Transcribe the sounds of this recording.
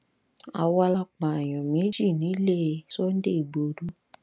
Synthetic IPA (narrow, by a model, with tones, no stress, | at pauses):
a˨wa˧la˧k͡pa˨a˨j̃ɔ̃˨mẽ˨˦d͡ʒi˦˨nĩ˨˦le˦˨˦so˦n̩˦de˦i˨ɡ͡bo˨˦du˦